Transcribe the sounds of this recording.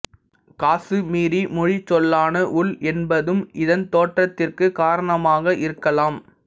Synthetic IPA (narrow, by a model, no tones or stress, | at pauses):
kaːsɯmiːɾimʊɻit͡ʃːɔlːaːnɐʔʊɭɛnbɐðɯmʔɪðɐnt̪oːʈrɐt̪ːɪrkɯkaːɾɐɳɐmaːɣɐʔɪɾɯkːɐlaːm